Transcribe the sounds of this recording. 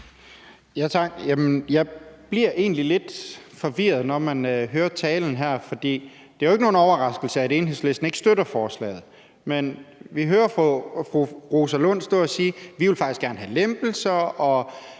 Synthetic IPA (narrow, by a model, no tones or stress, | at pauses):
jæt͡sʰɑ̈ɡ̥jæmənjɑ̈ɪb̥liɐ̰ʔe̝ːnlile̝d̥fɒ̽ʋiɐð̞ˠnɒmænɦøːɐt͡sʰɛːln̩ɦæɐ̰fɒ̽d̥ḭː | d̥eæoe̝ɡ̥no̝ːnɒʊɐʁɑ̈sɡ̥l̩səæɾe̝ːnɦe̝̰sle̝sd̥n̩e̝ɡ̥sd̥øɾɐfɒːslɛ̰ːð̞̩ˠ | menʋiɦøːɐffʁuʁo̝sɐlɔ̽n̰sd̥ɔ̰ɐɒsiːʋiʋelfɑɡ̥isɡ̥æɐnəɦælemb̥l̩sɐɒ̽